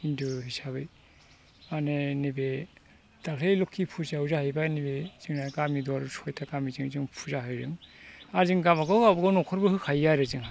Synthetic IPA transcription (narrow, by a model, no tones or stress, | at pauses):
induhisabɯj | manenibe | d̥akʰejlɔkʰːipʰuzauzahɯjbanibez̥ɯŋnakamidɔaɾusʰɔjtʰakamizɯŋzɯŋpʰuzaɦɯjzɯŋazɯŋɡamaɡɔawbaɡɔnɔkʰɔɾbɯhɯkʰajaɾezɯŋɦa